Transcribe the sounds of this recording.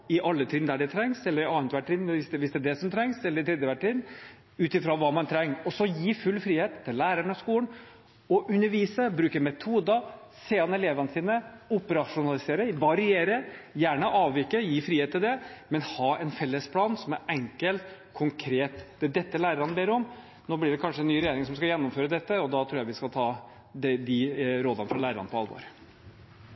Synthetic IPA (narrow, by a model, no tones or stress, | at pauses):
ɪʔɑlːət̪ʰiːd̪nd̪æɖɛt̪ʰɾɛŋsɛlːəɾɑːnt̪ʋæʈːɾɪnʋɪsd̪ɛʋɪsd̪ɛæd̪ɛsɔmt̪ʰɾɛŋsɛlːəɾɪt̪ʰɾɛːd̪jəʋæʈːɾɪnː | ʉːt̪ɪfɾoʋɑːmɑnt̪ʰɾɛŋːɔsɔjiːfʉlːfɾiːheːt̪ʰːɪlːæːɾæɳɔskuːən | ɔʔʉnːəɾʋiːsəbɾʉːkəɾmɛt̪ʰuːd̪ə | seːɑnɛleːʋɑnəsiːnəʊpəɾɑʂʊnɑlɪseːɾəʋɑɾɪeːɾəjæːɳəʔɑːʋʋɪkːəjiːfɾiːhet̪ʰːɪld̪ɛmɛnhɑːɛnfɛlːəspʰlɑːnsɔmæɾɛŋkəlt̪kʰʊŋkʰɾeːt̪d̪̥ɛd̪ɛt̪ːəlæːɾəɾɑnəbeːɾɔm | noːblɪɖɛkʰɑnʂəɛnːyːɾɛjeːɾɪŋsɔmskɑjɛnːʊmføːɾəd̪ɛt̪ːəɔd̪ɑt̪ʰɾuːjæʋɪskɑlt̪ʰɑː | d̪ɛd̪ɪɾoːd̪ɑnəfɾɑlæːɾəɾɑ̰nəpʰɔɑlʋo̰ːɾ